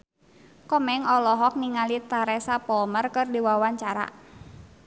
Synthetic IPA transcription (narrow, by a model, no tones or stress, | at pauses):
kɔmɛŋɔlɔɦɔk̚niŋalit̪aɾɛsapɔlmərkɨrdiwawaɲt͡ʃaɾa̰